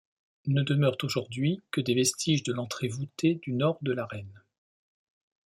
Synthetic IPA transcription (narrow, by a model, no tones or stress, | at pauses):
nəd̪əmœʁt̪oʒuʁd̪ɥikəd̪evɛst̪ʰiʒd̪əlɑ̃t̪χevut̪ed̪ynɔʁd̪əlaʁɛn